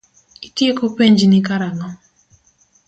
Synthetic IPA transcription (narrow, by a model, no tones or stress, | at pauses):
itjekopeɲd͡ʒnikaɾaŋɔ